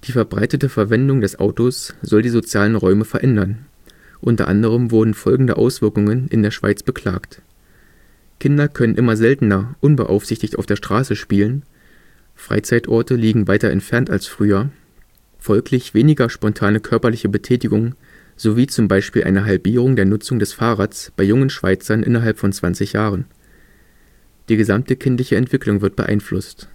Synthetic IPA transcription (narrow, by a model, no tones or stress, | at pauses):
d̥iːfɛɐbʁa̰ɪtətəfɛɐvɛndʊŋdɛsʔa̰ʊtosz̥ɔldiːzot͡sjaːlənʁɔʏməfɛɐʔɛndɐn | ʔʊntɐ̰ʔa̰ndəʁ̞əmvʊɐdn̩fɔlɡŋ̩dəʔa̰ʊsv̥ɪɐkʊŋənɪ̰ndeːɐʃv̥a̰ɪt͡sb̥əkʰl̥a̰ːkt | kʰɪndɐkʰœnənʔɪmɐzɛltn̩ɐʔʊnbə̰ʔa̰ʊfz̥ɪçtɪçtʔa̰ʊfd̥eːɐʃtʁ̥aːsəʃpiːlən | fʁ̥a̰ɪt͡saɪtʔɔɐtəliːɡŋ̩vaɪtɐʔɛ̰ntfɛɐnta̰lsfʁ̥yːɐ | fɔlkʰlɪçv̥eːnɪɡɐʃpɔntʰaːnəkʰœɐpɐlɪçəbətʰɛːtɪɡʊŋə | z̥oviːt͡sʊmbaɪʃpiːlʔa̰ɪnəɦalbiːʁ̞ʊŋdeːɐnʊt͡sʊŋdɛsfaːʁaːtsb̥aɪjʊŋənʃv̥a̰ɪt͡sɐnʔɪ̰nɐɦalpfɔnt͡sv̥ant͡sɪçjaːʁ̞ən | d̥iːɡəzamtəkʰɪntlɪçəɛntv̥ɪklʊŋvɪɐt̚b̥ə̰ʔa̰ɪnflʊst